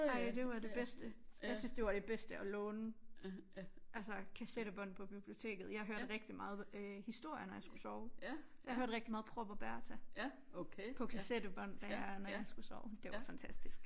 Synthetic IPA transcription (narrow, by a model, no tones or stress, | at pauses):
ɑ̈ɪd̥e̝ʋɑ̈de̝b̥esd̥əjɑ̈ɪsynsd̥e̝ʋɑ̈ɾ̥e̝b̥esd̥əɒlɔ̽ːnə | ʔælsəkʰæseɾ̥əb̥ɒn̰pʰɒ̽b̥ib̥lio̝t͡sʰe̝̰ːɡ̥ð̞̩ˠjɑ̈hɦøɐd̥ʁɛɡ̥̚d̥imɑ̈ːð̞̩ˠhisd̥o̝ɐ̰jənɒjɑ̈ɪsɡ̥u̥sɒʊsjɑhhøɐd̥ʁɛɡ̥̚dimɑːð̞̩ˠpʰʁɔb̥ɒ̽b̥æɐt͡sʰæ | pʰɒ̽kʰæsedəb̥ɒn̰d̥ɑɐnɒjɑ̈ɪsɡ̥usɒʊd̥e̝ʋɑ̈fænt͡sʰæsd̥isɡ̥